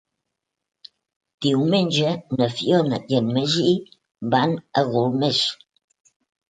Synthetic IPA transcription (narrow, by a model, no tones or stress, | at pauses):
d̪̥iwmend͡ʒənəfjonəjənməʒiʔ | banəɣolmes